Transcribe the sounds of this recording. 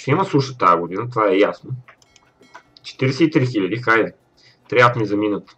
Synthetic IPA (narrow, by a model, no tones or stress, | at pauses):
ʃiməsˠuʃət̪ajəɡod̪inət̪ovaɛjasno | t͡ʃɛ̥t̪iɾɛsɛit̪ɾixilʲɐd̪ixajnɛ | t̪ɾʲavət̪mizɐminət̪